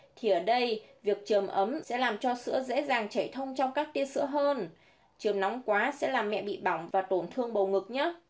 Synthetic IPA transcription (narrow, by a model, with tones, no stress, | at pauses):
t̪ʰi˨˩ʔəː˧˩ɗə˧jvi˨˩ək̚t͡ɕəː˨˩mʔə˨˦msɛ̰˧˥laː˨˩mt͡ɕɔ˧sɨ̰˧˥əzḛ˧˥zaː˨˩ŋt͡ɕə˧˩jt̪ʰə˧wŋ͡mt͡ɕɔ˧wŋ͡mkaː˦˥k̚t̪i˧əsɨ̰˧˥əɦəː˧n | t͡ɕɨ˨˩əmnɔ˨˦wŋ͡mkwaː˨˦sɛ̰˧˥laː˨˩mɛ̰˧˨ɓḭ˧˨ɓa˧˩wŋ͡mvaː˨˩t̪o˧˩nt̪ʰɨ˧əŋɓə˨˩wŋɨ˨˩k̚ɲə˦˥t̚